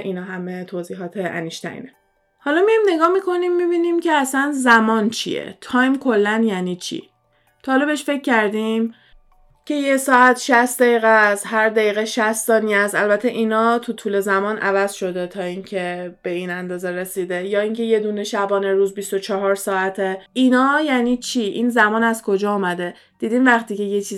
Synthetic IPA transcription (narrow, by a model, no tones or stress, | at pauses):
ʔinɒːɦæmet̪ʰoːziːɦɒːt̪ʰeʔæ̰niʃt̪æ̰ɾḭːne | hɒlɒːmijɒjmne̞ɡɒːhmikʰo̞nimːibiːnimcʰeæsænzæmɒːnt͡ʃʰḭjḛt̪ʰɒːjmkʰo̞lːænjæːniːt͡ʃʰḭ | t̪ʰɒːlɔbeʃfe̞cʰːæɾd̪im | cʰe̞jesɒːæt̪ʰʃæst̪d̪æjiːɣæsɦæɾd̪æjiːɣeʃæssɒːniæst̪ælbæt̪ʰːeʔiːnɒːt̪ʰut̪ʰuːle̞zæmɒːnʔævæz̥ʃo̞d̪e̞t̪ʰɒːiːŋcʰe̞b̥e̞iːnænd̪ɒːzeɾesiːd̪e̞jɒːiŋcʰe̞je̞d̪uːneʃæbɒːneɾuːzbist̪ot͡ʃʰɒɦɒɾsɒːæt̪ʰeʔinɒːjæːnit͡ʃʰiʔḭnzæmɒːnæzkʰo̞d͡ʒɒːumæd̪e̞ | d̪̥iːd̪iːmvæχt̪iːce̞jet͡ʃʰiː